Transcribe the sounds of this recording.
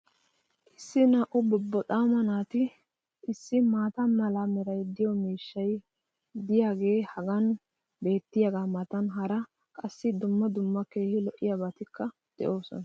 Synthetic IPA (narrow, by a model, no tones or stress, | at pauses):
ʔɪsːɪnaːʔʊbɔbːɔt̪ʼaːmɐnaːt̪ɪ | ʔɪsːɪmaːt̪ɐnmɐlɐmɛɾɐjd̪ɪjɔmiːʃːɐj | d̪ɪjaːɡe̞ːhɐɡɐn | be̞ːt̪ːɪjɐɡaːmɐt̪ɐnɦɐɾɐ | kʼɐsːɪd̪ʊmːɐd̪ʊmːɐke̞ːhɪlɔʔːɪjabɐt̪ɪkːɐ | d̪̥ɛ̰ʔo̞ːsɔ̰nɐ